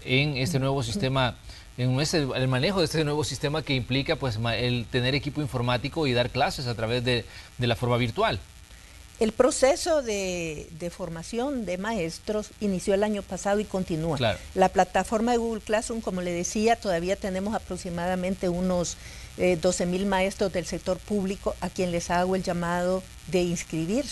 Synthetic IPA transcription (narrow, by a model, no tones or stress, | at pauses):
eŋest̪enwe̞βos̬ist̪ema | eeseelmane̞xoest̪enwe̞βo̞sist̪e̞make̞implikapwesaelt̪e̞ne̞ɾe̞kipo̞iɱfo̞ɾmat̪iko̞iðaɾklase̞s̬at̪ɾaβe̞zðed̪e̞lafo̞ɾmaβiɾt̪wal | e̞lpɾo̞se̞so̞ðeðefo̞ɾmasjo̞nd̪e̞mae̞st̪ɾo̞sinisjoe̞laɲo̞pasaðo̞ikont̪inualaɾlaplat̪afo̞ɾmaðeɣuɣulklasuŋko̞mo̞leðe̞siat̪o̞ðaβ̞iat̪e̞ne̞mo̞sapɾo̞ksimaðamẽ̞nt̪eunosd̪o̞se̞milmae̞st̪ɾo̞zd̪else̞k̚t̪o̞ɾpuβliko̞ʔakje̞nle̞saɣoe̞ld͡ʒamað̞o̞ | ðe̞inskɾiβiɾ